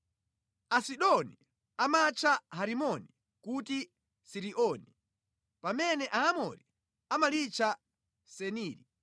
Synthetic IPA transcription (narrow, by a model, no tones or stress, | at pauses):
asiɗɔni | amat͡ʃʰaɦaɾimɔni | kuti | siɾiʔɔni | pamɛnɛʔaːmɔ̰ɾi | amalit͡ʃʰa | sɛniːɾi